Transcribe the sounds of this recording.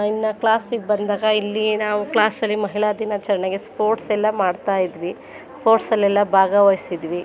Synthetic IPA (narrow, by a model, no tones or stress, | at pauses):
inːɐklaːsiɡebɐnd̪aːɡɐilːinaːʋuklaːsɐlːimɐɦiɭad̪inɐt͡ʃɐɾɐɳɐɡe̞spʰoːɾʈsɛlːɐmaːɖt̪aːjid̪ʋi | sspo̞ːɾʈsɐlːɛlːɐbʱaːɡɐʋɐjisid̪ʋi